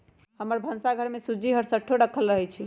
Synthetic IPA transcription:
həməɾbʱənsaɡʱəɾmesud͡ʒiɦəɾsəʈʰːoɾəkʰəlɾəɦɛt͡ʃʰi

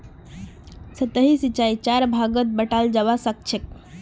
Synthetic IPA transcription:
sət̪əɦisit͡ʃait͡ʃaɾbʱaɡət̪̚bəʈald͡ʒaʋasək̚t͡ʃʰek̚

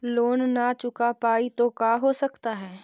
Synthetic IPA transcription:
loːnːat͡ʃʊkapaːit̪okaːɦosɐkt̪aɦɛː

